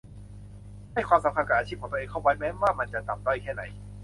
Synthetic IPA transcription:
ha˥˩jkʰwaː˧msa˨˦mkʰa˧nka˨˩ʔaː˧t͡ɕʰiː˥˩p̚ʰːt̪ːŋkʰa˧˥˩waː˧jmɛː˦˥waː˥˩ma˧nt͡ɕa˨˩t̪a˨˩md̪ɔ˧˥˩jkʰɛː˥˩na˩˦j

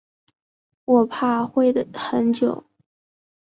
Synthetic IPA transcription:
wɔ˨˩pʰa˥˧xwe˥˩ɪd̪ə˩xə˧˥nt͡ɕjo˨˩˦ʊ

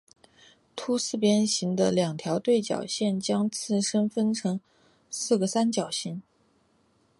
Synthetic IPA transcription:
t̪ʰu˥sɹ̩˥˩pjɛ˥nɕi˧˥ŋd̪ə̰˧ljɑ˨˩ŋt̪ʰjɑ˧˥ʊt̪we˥˩ɪt͡ɕjɑ̰˨˩ʊɕjɛ˥˩nt͡ɕjɑ˥ŋt͡sʰɹ̩˥˩ʂə˥nfə˥nʈ͡ʂʰɤ˧˥ŋ | sɹ̩˥˩ɡə˩sa˥nt͡ɕjɑ˨˩ʊɕi˧˥ŋ

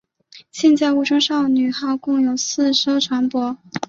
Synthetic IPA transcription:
ɕɛ˥˧nt͡ɕjɑ˥˧u˥˩ʈ͡ʂʰɤ˥ŋʂɑ˥˩ʊny˨˩xɑ˥˧ʊkʊ˥˩ŋjo˨˩ʊsɹ̩˥˩ʂɤ˥ʊʈ͡ʂʰwa˧˥npwɔ˧˥

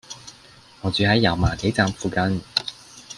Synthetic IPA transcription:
ŋɔː˨˧t͡syː˨˧hɐ˨˥jːɐ˨˩wmaː˨˩t̪ʰe˨˥jt͡saː˧mfuː˨˧kɐ˧n

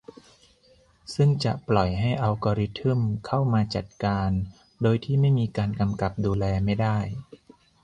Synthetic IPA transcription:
sɯ˥˩ŋt͡ɕa˨˩ʔplɔ˨˩jɦa˥˩jʔa˧wkɔː˧ɾi˦˥t̪ʰɯ˥˩mkʰa˥˩wmaː˧t͡ɕa˨˩t̪̚kaː˧n | doː˧jt̪ʰiː˥˩ma˥˩jmiː˧kaː˧nka˧mka˨˩p̚duː˧lɛː˧ma˥˩jdaː˥˩j

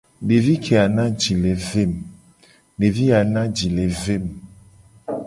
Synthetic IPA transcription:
ɖe˨vi˦kʰe˨a˨nã˦d͡ʒi˨le˨ve˦˨m | ɖe˨vi˦a˨nã˦d͡ʒi˨le˨ve˦˨m

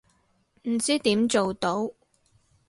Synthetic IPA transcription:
m̩˨˩t͡siː˥t̪iː˨˥mt͡ʃo˨wt̪o˨˥w

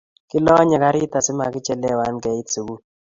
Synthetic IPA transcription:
kɪ˦lɔ˦ɲa˨ka˦ɾɪ˦ta˨sɪ˦ma̰˨kɪ˦t͡ʃɛ˦lɛ˦˨wa˦nɡɛ˨˦i˦tsi˨ɡu˦

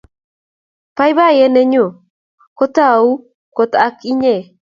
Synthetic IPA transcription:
pa˦jβa˦jɛ˦nɛ˦ɲo˨ | ko˦t̪a˦u˦ | ko˨t̪a˦ki˦ɲe˨

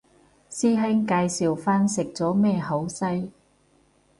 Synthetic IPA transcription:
siː˥ɦɛ˥ŋkaː˧jsiː˨wfaː˥nsɪ˨k̚t͡sɔː˨˥mɛː˥˧ɦo˨˥wsɐ˥j

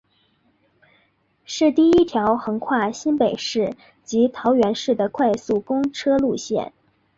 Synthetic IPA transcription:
ʂɻ̩˥˧t̪i˥˩i˥t̪ʰjɑ˧˥ʊxɤ˧˥ŋkʰwa˥˩ɕi˥npe˨˩ɪʂɻ̩˥˩ | t͡ɕi˧˥t̪ʰɑ˧˥ʊɥɛ˧˥nʂɻ̩˥˩d̪ə˩kʰwa˥˧ɪsu˥˩kʊ˥ŋʈ͡ʂʰɤ˥lu˥˧ɕjɛ̰˥˩n

